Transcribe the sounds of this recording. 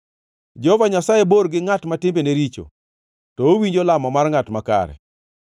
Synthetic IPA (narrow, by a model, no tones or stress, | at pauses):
d͡ʒɛhɔvaɲasajeboɾɡɪŋatmatɪmbeneɾit͡ʃo̰ | tɔowiɲd͡ʒɔlamɔmarŋatmaka̰ɾɛ̰